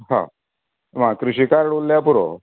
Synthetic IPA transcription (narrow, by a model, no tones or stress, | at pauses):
ɦã̰ | makɾuɕikaɾɽolːjapuɾo̰